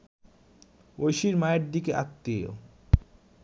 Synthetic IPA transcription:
ojʃiɾmaeɾd̪ikeʔa̰t̪ːeo̰

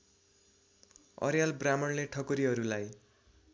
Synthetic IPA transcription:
ʌ̰ɾjalbramʌnleʈʰʌkoɾiɦʌɾulaj

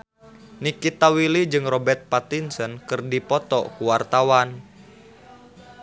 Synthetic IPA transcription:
nikit̪awilid͡ʒɨŋrɔbɛrt̪̚pat̪insənkɨrdipɔt̪ɔkuwart̪awan

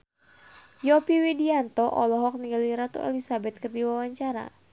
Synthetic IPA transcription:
jɔpiwidiant̪ɔʔɔlɔɦɔk̚niɡaliɾat̪ṵɛ̰lisabɛt̪̚kɨrdiwawaɲt͡ʃaɾa̰

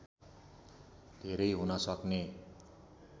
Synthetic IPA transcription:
d̪ʱeɾʌjɦunʌsʌkne

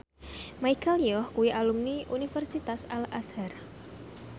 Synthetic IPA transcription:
majkalijɔhkuwiʔalumniʔunifɛrsit̪asalashar

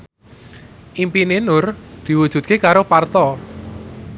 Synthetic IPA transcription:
ʔimpinenʊrd̪̥i̤wud̥ʒ̥ṳt̪̚kekaɾopart̪ɔ

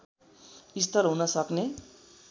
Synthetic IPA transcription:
ist̪ʌɾɦunʌsʌkne

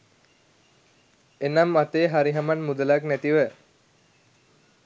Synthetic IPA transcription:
enamːat̪eːɦaɾiɦamanmud̪əlaknæt̪iʋə

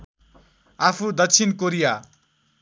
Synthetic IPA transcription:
apʰud̪ʌkt͡sʰinkoɾija

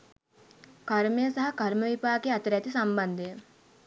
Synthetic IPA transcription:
kaɾmejəsaɦɐkɐɾməʋipaːkeat̪əɾæt̪isamband̪əjə

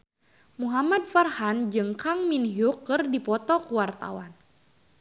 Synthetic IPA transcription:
muɦamad̚farhand͡ʒɨŋkaŋminɦjukːɨrdipɔt̪ɔkuwart̪a̰wan

